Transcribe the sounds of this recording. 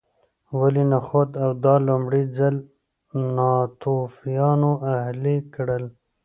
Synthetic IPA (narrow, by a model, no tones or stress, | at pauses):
walinaxot̪awd̪ɑlʊmɽizal | nɑt̪ofijɑnoʔahlikɽəl